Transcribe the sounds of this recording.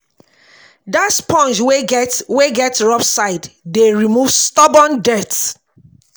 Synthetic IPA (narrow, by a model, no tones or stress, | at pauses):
datspɔ̃nd͡ʒweɛtweɡɛtɹɔfsaɪddeɹimuvstɔbɔ̃ndɛt